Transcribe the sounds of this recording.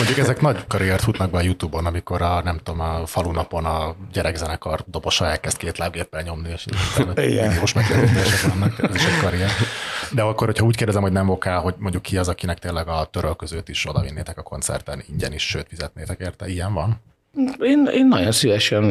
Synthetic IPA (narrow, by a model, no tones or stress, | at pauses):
moɲɟukɛzɛknɒɟkɒɾiɛrt̪hut̪nɒɡ̚bɛɒjut̪uːbo̞nɒmiko̞ɾɒnɛmt̪oːmɒfɒlunɒpo̞nɒɟɛɾɛɡzɛnɛkɒrd̪o̞boʃɒɛlkɛst̪̚keːt̪laːbɡeːpːɛɲo̞mnieːʃniioːʃmɛɡlɛit̪eːʃɛkʋɒnːɒkɛziʃɛckɒɾiɛrd̪ɛɒkːorhochɒuːc̚kerdɛzɛmhonɛmo̞kaːlɦo̞ɟmo̞ɲɟukːiɒzɒkinɛk̚t̪eːlːɛɡɒt̪øɾølkøzøːt̪iʃo̞d̪ɒ̰vinːeːt̪ɛkɒkʰo̞̰nt̪sɛ̰rt̪ɛniɲɟɛniʃːʃøːt̪fizɛt̪neːt̪ɛkeːrt̪ɛijɛɱvɒn | eːnḛːnːɒɟo̞nsivɛʃɛn